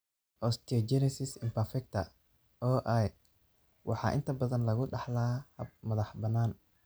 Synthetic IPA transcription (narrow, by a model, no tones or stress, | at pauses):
ʔɔst̪ʰiɔd͡ʒɛnɛsɪsɪmpʰɐrfɛk̚t̪ʰɐ | ɔːʔaj | wɑ̰ħɑ̰ːʔɪ̰nt̪ʰɐbɐðɐnlɐɣʊɖɑħlɐhɐb̚mɐðɑħbɐnaːn